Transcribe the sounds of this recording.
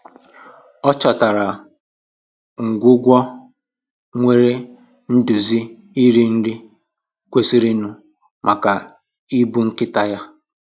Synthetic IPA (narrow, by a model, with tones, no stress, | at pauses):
ɔ˦t͡ʃa˨ta˨ɾa˨ | ŋ̩˨ɡʷʊ˦ɡʷɔ˦ | ŋʷe˦ɾe˦ | n̩˦du˨zi˦ | i˦ɾi˦n̩˦dɪ˦ | kʷe˨si˦ɾi˦nu˨ | mʔa˨ka˨ | i˦bu˦ŋ̩˦kɪ˦ta˦ja˦